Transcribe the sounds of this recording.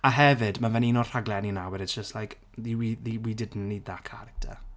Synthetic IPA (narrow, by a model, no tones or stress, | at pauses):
aɦɛvɪdmavɛninɔr̥aɡlɛninawɛɾɪtsd̥ʒ̥əstlajk | ðiwiðiwidɪdn̩niːdðakʰaɾɪk̚tʰə̰